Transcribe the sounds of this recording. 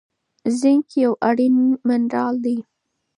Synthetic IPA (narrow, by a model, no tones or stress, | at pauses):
zɪŋkjawʔaɽinmɪnɾɑld̪i